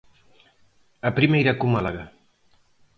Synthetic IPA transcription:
ɐpɾimejɾakumalaɣa

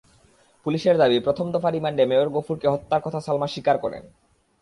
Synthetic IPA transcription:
puliʃeɾd̪abipɾot̪ʰomd̪ɔfaɾimaɳɖemeoɾɡofuɾkeɦɔt̪ːaɾkɔt̪ʰasalmaʃikaɾkɔɾḛn

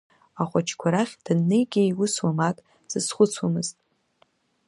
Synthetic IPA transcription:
aχʷat͡ʃʰkʷʰaɾaχʲd̥ɨnːɨjɡʲɪjwʊswamakʼ | z̥ɨsχʷʊt͡sʰwamɨztʼ

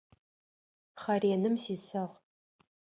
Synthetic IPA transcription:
χɐreːnɨmsiːsɐʁ

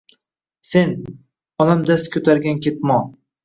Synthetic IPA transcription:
se̞n | ɒnamd̪ast̪kʰʲɵt̪ʰaɾɡʲankʲe̞t̪̚mɒ

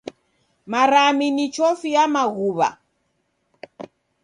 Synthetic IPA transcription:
maɾaminit͡ʃɔfiamaɣuβa̰

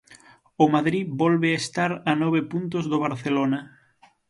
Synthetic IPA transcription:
ʊmaðɾibɔlβeaest̪aɾanɔβ̞epunt̪ʊzðoβ̞aɾθelonɐ

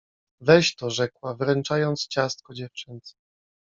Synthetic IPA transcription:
vɛɕt̪ɔʐɛkwavɾɛnt͡ʂajɔnt̪st͡ɕast̪̚kɔd͡ʑɛft͡ʂɘnt̪sɛ̥

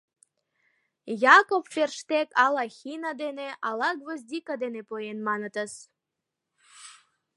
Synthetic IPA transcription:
jɑkopferʃt̪ekɑlɑxʲinɑd̪eneʔɑlɑkβəzd̪ikɑd̪enepojenmɑnət̪əs

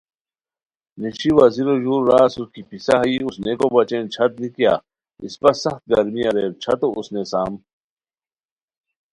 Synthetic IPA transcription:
neɕʰiwɐziɾoʑuːɾːaːsuskipisaɦɐiusnekobɐt͡ɕeːnt͡ɕʰɐt̪̚likija̰ | ḭspɐsɐxt̪̚ɡɐɾmiɐɾeːɾt͡ɕʰɐt̪oʔusnesaːm

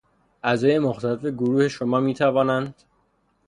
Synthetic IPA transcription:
ʔæzɒːje̞moxt̪ʰæle̞fe̞ɡoɾuːhe̞ʃomɒːmiːt̪ʰævɒːnænd̪̥

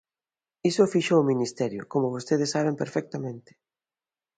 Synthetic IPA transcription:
isofiʃoːminist̪ɛɾjʊ̰komʊβost̪eðesːaβ̞empeɾfɛk̚t̪amẽnt̪ɪ̥

